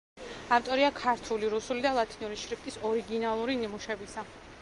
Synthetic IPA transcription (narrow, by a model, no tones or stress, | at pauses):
aft̪ʼɔɾiakʰaɾt̪ʰuliɾusulid̪alˠat̪ʰiniuɾiʃɾipʰt̪ʼisɔɾiɡinalˠuɾinimuʃɛbisa